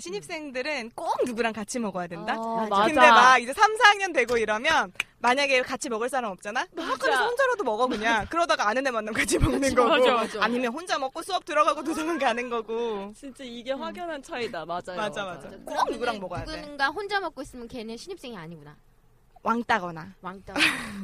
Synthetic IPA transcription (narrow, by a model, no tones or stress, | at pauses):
ɕʰiɲip̚s͈e̞ŋdɯɾɯnk͈omnuɡuɾaŋkat͡ɕʰimʌɡʌjadwendakɯnde̞maid͡ʑe̞sʰamsʰaŋɲʌndweɡoiɾʌmjʌnmaɲaɡe̞kat͡ɕʰimʌɡɯɭs͈aɾamʌp̚t͡ɕ͈anaakʰːanesʰʌhond͡ʑaɾʌdomʌɡʌɡuɲakɯɾʌdaɡaanɯnemanːamkat͡ɕʰimʌɡnɯnnɡʌɡoaɲimjʌnɸond͡ʑamʌk͈osʰuʌp̚tɯɾʌɡaɡot̬od͡ʑʌmɯŋɡanɯnɡʌɡot͡ɕʰint͡ɕ͈eiɡe̞ɸwaɡjʌnɦant͡ɕʰaidaad͡ʑmad͡ʑamad͡ʑakɯʌmnuɡuɾaŋmʌɡʌjadɯeɡaɸond͡ʑamʌk͈ois͈ɯmjʌnkeneɕʰiɲip̚s͈eŋiaɲiɡuna | wʔaŋt͈aɡʌnaaŋt͈a